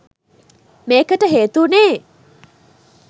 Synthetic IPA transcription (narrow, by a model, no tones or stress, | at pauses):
meːkəʈəɦeːt̪uːneː